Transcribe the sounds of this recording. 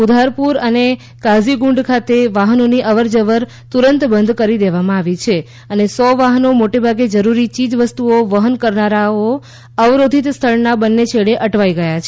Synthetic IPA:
ud̪ʱaɾpuɾəne | kaziɡũɳɖkʰat̪eʋaɦənoniʔəʋəɾd͡ʒəʋəɾ | t̪uɾənt̪bə̃nd̪ʱkəɾid̪eʋamãaʋit͡ʃʰe | ənesɔʋaɦənomoʈebʱaɡed͡ʒəɾuɾit͡ʃid͡ʒʋəst̪uoʋəɦənkəɾnaɾao | əʋɾod̪ʱit̪st̪ʰəɭnabənːet͡ʃʰeɭeʔəʈʋaiɡəjat͡ʃʰe

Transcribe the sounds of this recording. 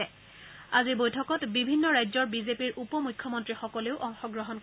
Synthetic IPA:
ɛ | azibojtʰɔkɔtbibʱinːɔɹajzɔɹbizepiɹʔupɔmujkʰːjɔmɔntɹixɔkɔleʊʔɔŋxɔɡɹɔɦɔnk

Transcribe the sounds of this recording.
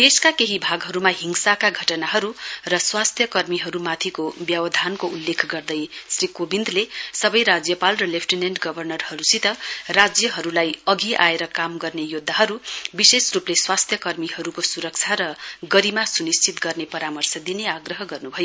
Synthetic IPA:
d̪̥eskakeɦibʱaɡɦʌɾumaɦiŋsakaɡʱʌʈʌnaɦʌɾurʌswast̪ʰjʌkʌrmiɦʌɾumat̪ʰikobjʌwʌd̪ʱankoulːekʰɡʌrd̪ʌjsrikobind̪lesʌbʌjɾad͡zjʌpalrʌlepʰʈinenʈɡʌbʱʌrnʌrhʌɾusit̪ʌrad͡zjʌɦʌɾulajʌɡiʔaeɾʌkamɡʌrnejod̪ʱːaɦʌɾubisesrupleswast̪ʰjʌkʌrmiɦʌɾukosuɾʌk̚t͡sʰaɾʌɡʌɾimasunist͡ʃit̪ɡʌrnepʌɾamʌrsʌd̪ineaɡrʌɦʌɡʌrnubʱʌjo

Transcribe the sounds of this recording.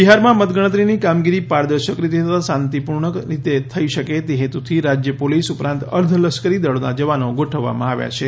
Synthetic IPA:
biɦaɾmãmət̪ɡəɽ̃ət̪ɾinikamɡiɾipaɾd̪əɾʃəkɾit̪et̪ət̪ʰasãnt̪ipuɾɳəɾit̪et̪ʰəiʃəket̪eɦet̪ut̪ʰiɾad͡ʒjəpolisupɾãnt̪ə̰ɾd̪ʱləskəɾid̪əɭonad͡ʒəʋanoɡoʈʰəʋːa̰mã̰aʋja̰t͡ʃʰe

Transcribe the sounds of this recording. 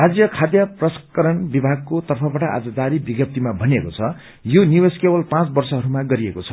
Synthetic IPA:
rad͡zjʌkʰad̪jʌprʌskʌɾʌnbibʱaɡ̚kot̪ʌrpʰʌbaʈʌʔa̰d͡zʌd̪aɾibiɡjʌp̚t̪imabʱʌniekot͡sʰʌ | joniweskebʌlpãt͡sbʌrsʌɦʌɾumaɡʌɾiekot͡sʰʌ

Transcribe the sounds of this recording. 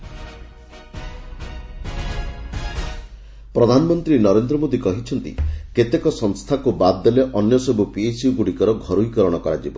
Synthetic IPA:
pɾɔd̪ʱanɔmɔnt̪ɾinɔɾend̪ɾɔmod̪ikɔɦit͡ʃʰɔnt̪ḭket̪ekɔsɔŋst̪ʰakubad̪ːeleʔɔnjɔsɔbupiesijuɡuɽikɔɾɔɡʱɔɾuikɔɾɔɽ̃ɔkɔɾad͡ʒibɔ

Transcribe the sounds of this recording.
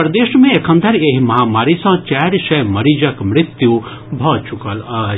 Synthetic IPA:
pɾɐd̪eːʃmẽekʰɐ̃nd̪ʱɐɾeɦimɐɦaːmaːɾisɐ̃t͡ʃaːɾsɐjmɐɾid͡ʒɐkmɾɪt̪ju | bʱɔːt͡ʃukɐl

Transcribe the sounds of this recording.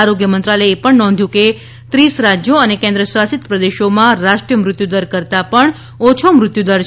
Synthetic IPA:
aɾoɡjəmənt̪ɾaləepəɳnɔ̃nd̪ʱjũke | t̪ɾisɾad͡ʒjoənekẽnd̪ɾəswasɪt̪pɾəd̪eʃomãɾaʃʈɾijəmɾʊt̪jud̪əɾkəɾt̪apəɳ | ot͡ʃʰomɾʊt̪jud̪əɾ

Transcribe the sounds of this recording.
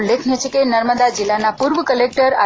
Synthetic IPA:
lekʰnet͡ʃʰekinəɾməd̪ad͡zilːanapuɾʋəkəlek̚ʈəɾa

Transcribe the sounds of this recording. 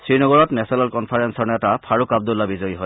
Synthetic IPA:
sɹinɔɡɔɹɔtnɛsɔnalkɔnpʰaɹɛnsɔɹnɛtapʰaɹukab̚dulabizɔjɦɔj

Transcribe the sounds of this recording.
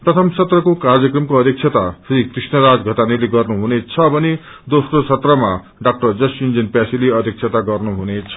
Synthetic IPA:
prʌt̪ʰʌmsʌt̪rʌkokard͡zjʌkrʌmkoʌd̪ʱjʌk̚t͡sʰet̪asrikrisnʌɾad͡zɡʱʌt̪anileɡʌrnuɦunet͡sʰʌbʌne | d̪osrosʌt̪rʌma | ɖak̚ʈʌrd͡zʌsjund͡zʌnpjasileʌd̪ʱjʌk̚t͡sʰet̪aɡʌrnuɦunet͡sʰʌ̥

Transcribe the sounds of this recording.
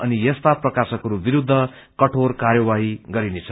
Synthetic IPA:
ʌnijʌst̪aprʌkasʌkʌɾubiɾud̪ʱːʌ | kʌʈʰorkaɾjʌwaɦiɡʌɾinet͡sʰʌ

